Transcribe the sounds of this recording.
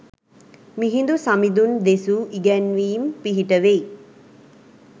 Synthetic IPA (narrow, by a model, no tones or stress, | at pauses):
miɦind̪usamid̪und̪esuʔiɡɛnʋiːmpiɦiʈəʋe